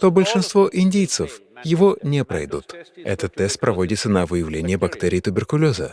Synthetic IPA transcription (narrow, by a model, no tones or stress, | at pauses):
t̪obəlʲʂɨnst̪voʔɪnʲdʲejt̪səfjɪvonʲepɾɐ̰jd̪ut̪ɛ̰t̪ət̪ːɛst̪̚pɾɐvo̞dʲɪt̪sənəvɨjɪvlʲenʲɪjəbɐkt̪ɛɾʲɪjt̪ʊbʲɪrkʊlʲozə̰